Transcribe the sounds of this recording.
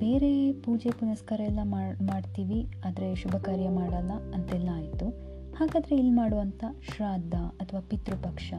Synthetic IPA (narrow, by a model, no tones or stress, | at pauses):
be̞ːɾe̞puːd͡ʒepunɐskɐɾɐɛlːɐmmaːɖt̪iːʋiaːd̪ɐɾe̞ʃubʱɐkaːɾjɐmaːɽɐlːɐɐnt̪ɛlːɐaːjit̪u | haːɡaːd̪ɐɾe̞ilːmaːɽuʋɐnt̪ʰɐʃɾaːd̪ʱːɐɐt̪ʰɐʋaːpit̪ɾupɐkʂɐ